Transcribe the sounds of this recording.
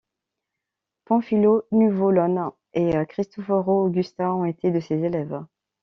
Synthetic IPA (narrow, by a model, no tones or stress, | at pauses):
pɑ̃filonyvolɔn | eəkχist̪ɔfɔʁoːɡʲyst̪ɛ̃ɔ̃et̪ed̪əsezelɛv